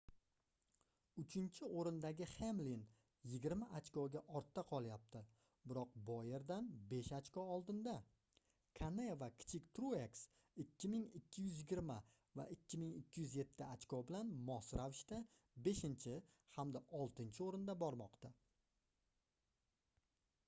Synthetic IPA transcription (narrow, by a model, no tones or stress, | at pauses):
ʊt͡ʃʰɪnt͡ʃʰɪʔoɾɪnd̪aɡʲɪhemlin | jɪɡʲɪɾmaʔat͡ʃkɒɡʲaʔɒɾt̪ʰːaqʰɒlˠjap̚t̪ʰɪ | bɪɾɒq̚bɒje̞ɾd̪anbe̞ʃat͡ʃkɒɒlˠd̪ɪnd̪a | kʰanevakʲʰɪ̥t͡ʃʰɪkʲt̪ɾueks | ɪkʲʰːɪmɪŋɪkʲʰːɪjʏzjɪɡʲɪɾma | va̰ʔɪkʲːɪmɪŋɪkʲʰːɪjʏzje̞t̪ʰːɪat͡ʃkɒbɪlanmɒsɾavɪʃt̪a | be̞ʃɪnt͡ʃʰɪhamd̪aʔɒlˠt̪ɪnt͡ʃʰɪoɾɪnd̪abɒɾmɒqt̪a